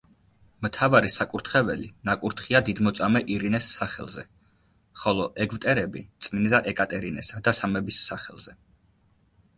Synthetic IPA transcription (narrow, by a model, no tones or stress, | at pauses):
mt̪ʰavaɾisakʼuɾt̪ʰχɛvɛ̰lḭnakʼuɾt̪ʰχiad̪id̪mɔt̪sʼamɛʔiɾinɛsːaχɛ̰lˠzɛ | χɔlˠɔʔɛɡvt̪ʼɛɾɛbit̪sʼmind̪aʔɛkʼat̪ʼɛɾinɛsad̪asamɛbisːaχɛ̰lˠz̥ɛ